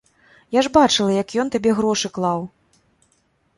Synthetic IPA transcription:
jaʐbat͡ʂɨlˠɐjɐkjɔnt̪abʲɛɣɾɔʂɨklˠaw

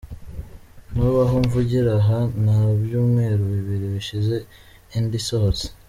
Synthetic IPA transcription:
nuβaɦoɱvuɟiɾaɦanaːbjuːmŋe̞ːɾuβiβiɾiβiʃize̞ | indisohose̥

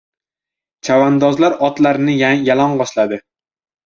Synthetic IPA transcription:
t͡ʃʰavand̪ɒzlaɾɒt̪laɾnɪjjalɒɴbɒʃlad̪ɪ

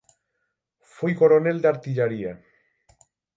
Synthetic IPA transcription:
fojko̞ɾo̞ne̞ld̪eaɾt̪iʎaɾia

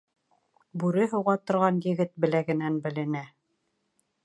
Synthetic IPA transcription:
bʉɾɘɦŏwʁɑt̪ŏɾʁɑnjɘ̆ɡɘt̪̚bɘ̆læɡɘ̆nænbɘ̆lɘ̆næ

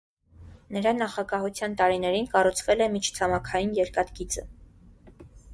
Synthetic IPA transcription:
nəɾɑnɑχɑɡɑɦut͡sʰjɑnt̪ɑɾinɛɾinkɑrut͡sʰvɛlɛmit͡ʃʰt͡sʰɑmɑkʰɑjinjɛɾkɑt̪ɡit͡sə

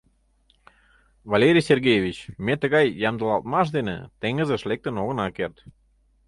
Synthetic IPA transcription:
vɑlʲeɾʲijsʲerɡʲejevʲit͡ɕmet̪ə̆ɣɑjːɑmd̪əlɑlˠt̪̚mɑʃ̬d̪enə̰t̪eŋɡəzə̆ʃlek̚t̪ə̆noɣə̆nɑkert̪

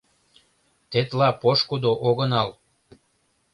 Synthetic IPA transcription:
t̪et̪lɑpoʃkud̪oʔoɣənɑl

